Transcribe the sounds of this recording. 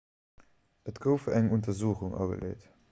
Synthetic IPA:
ətɡ̥oʊfəæŋuntɐzuːxuŋʔɑ̰ɡə̰lḛːt

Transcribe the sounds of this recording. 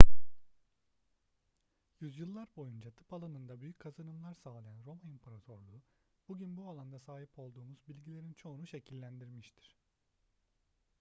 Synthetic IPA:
jyzjɯlˠːaɾbo̞jund͡ʒat̪ʰɯ̥palˠanɯnd̪abyjyc̚ʲkʰazɯnɯmlˠaɾsaːlˠajanɾo̞manimpʰaɾat̪ʰo̞ɾlˠuː | b̥uɟynbualˠand̪asaːɦipʰo̞lˠd̪uːmuz̥bilʲɟilʲe̞ɾint͡ʃʰo̞unuʃe̞cʰilʲːænd̪iɾmiʃt̪ʰi̥ɾ̥

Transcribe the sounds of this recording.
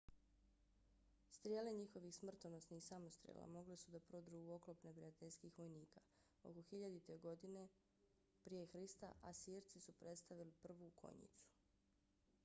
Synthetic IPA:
st̪ɾijeːle̞ɲixo̞ʋixsmr̩t̪onosnixsamo̞st̪ɾʲijḛlˠa̰mo̞ɡlesud̪apɾod̪ɾuo̞klopnepɾijat̪eʎskiːxʋo̞jniːka | o̞̰koxiʎad̪it̪e̞ɡo̞d̪ine̞ | pɾije̞xɾist̪a̰ʔasiːɾt̪sisupɾe̞t̪st̪aʋilipr̩ʋukʰo̞̰ɲḭt̪su̥

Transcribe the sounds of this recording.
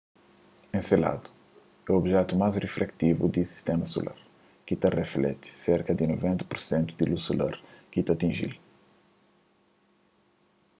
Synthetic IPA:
ẽsela̰d̪u̥ | ɛobʒɛt̪umajzreflɛkt̪ivṵd̪isi̥st̪ɛmɐso̰lʔa̰ɾ | kit̪ɐreflɛ̰t̪i̥seɾkɐd̪inovẽnt̪ɐ̥puɾsẽnt̪ud̪ilusula̰ɾkit̪ɐt̪ĩʒḭl

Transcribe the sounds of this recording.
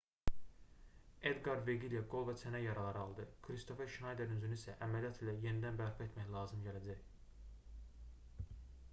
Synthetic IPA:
ed̪ɡɑɾd̪veɡiljeɡo̞lˠvæt͡sʰænæjɑɾɑlˠɑɾɯɑlˠd̪ɯkʰɾist̪o̞feɾʃnɑjd̪eɾynyzyniisæʔæmælijɑt̪ʰilæje̞nid̪ænbæɾpʰɑe̞t̪ʰmæçlˠɑːzɯmɟælæd͡ʒæç

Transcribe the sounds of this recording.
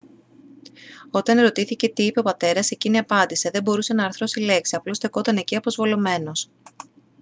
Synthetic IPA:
o̞t̪ɐne̞ɾo̞t̪iθice̞t̪iipe̞o̞pɐt̪e̞ɾɐse̞ciniɐpɐnd̪ise̞ðe̞bo̞ɾuse̞nɐːɾθɾo̞sile̞ksiɐplo̞st̪eko̞t̪ɐne̞ciɐpo̞zvo̞lo̞me̞no̞s

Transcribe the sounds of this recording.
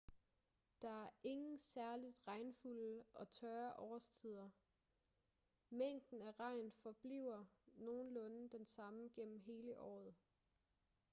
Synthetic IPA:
d̥ɑ̈æɐʔe̝ŋn̩sæɐlid̥ʁɑ̈ɪnfuləʔɒ̽t͡sʰœɪɐʔɒːɐst͡sʰið̞̰ˠɐ | meŋ̰d̥n̩æʁɑ̈ɪ̰nfɒ̽b̥lḭʊ̰ɐno̝ːn̩lɔ̽nd̥ensɑ̈məɡ̥en̰m̩ɦe̝ːləʔɒ̰ːð̞̩ˠ

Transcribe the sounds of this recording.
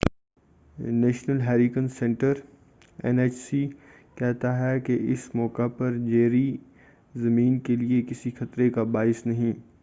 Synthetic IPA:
nɛːʃnəlɦɛːɾɪkə̃nsɛ̃ɳʈəɾ | ɛ̰neːt͡ʃsi | kɛɦt̪aɦɛkeʔɪsmɔːkapɐɾd͡ʒeːɾi | zɐmĩːnkeliekɪsixɐt̪ɾekabaːɪsnɐɦĩː

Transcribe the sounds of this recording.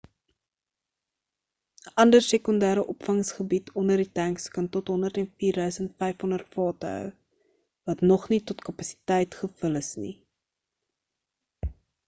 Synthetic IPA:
ʔɐndərsekɔndæːɾəʔɔpfɐŋsχəbitʰɔndərditæŋkskɐntɔtɦɔndərtɛnfiːrdœɥsəntfɛjfɦɔndərtfɑːtəœ̰w | vɐtnɔχnitɔtkɐpɐsi̥tɛjtχəfələsnḭ

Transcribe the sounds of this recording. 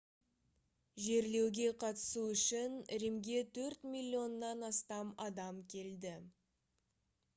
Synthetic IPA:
ʒe̞ɾle̞wɡʲe̞qʰɑt̪ə̥suʏʃɪnɾemɡʲe̞t̪ʰɵɾt̪mʲilʲːio̞nːɑnɑst̪ɑmɑd̪ɑmkʲʰe̞ld̪ɪ

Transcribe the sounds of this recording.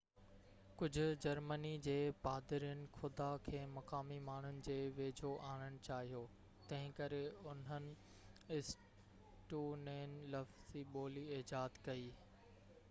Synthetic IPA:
kʊd͡ʑʱʊ̆d͡ʑɐɾmənid͡ʑeːpaːd̪ɪɾijənɪ̆xʊd̪akʰeːmɐkaːmimaːɳ̤̃ʊnɪ̆d͡ʑeːʋeːd͡ʑʱoʔaːɽ̃əɽ̃t͡ɕaːɦijoː | t̪ɐ̃ɦɪ̃kɐɾeʊn̤ənɪ̆ | ɪs | ʈuneːnɪ̆lɐfz̥iɓoːliɪd͡ʑaːd̪kɐiː

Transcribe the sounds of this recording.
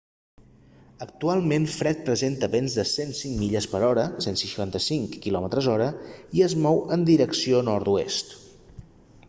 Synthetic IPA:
ək̚t̪ualˠmenfɾɛt̪̚pɾəzent̪əβenzðəsensiŋmiʎəspəɾɔɾəsensiʃant̪əsiŋkːilɔmət̪ɾəzɔɾəiəzmɔwənd̪iɾəksionɔɾt̪uḛst̪

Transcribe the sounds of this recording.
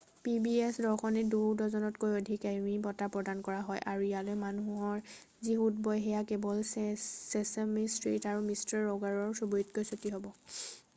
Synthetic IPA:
pibiesdɔɹxɔnidudɔzɔnɔtkojodʱikaimibɔtapɹɔdankɔɹaɦɔjʔaɹuijalojmanuɦɔɹ | zixutbɔjɦɛjakebɔlsesemistɹḭtaɹumistaɹːɔɡaɹɔɹsubuitkojsotiɦɔbɔ

